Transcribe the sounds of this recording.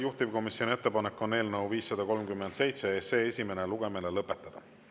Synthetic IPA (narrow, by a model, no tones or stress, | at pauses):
juht̪iv̥ko̞misjo̞nie̞t̪ːˑepɑnekːo̞nːe̞ːlnɤwviːsːɑd̪ɑko̞lmkymːend̪̥se̞jt̪seeseːesʲime̞neluɡ̥e̞melelɤpːˑe̞t̪ːˑɑd̪̥ɑ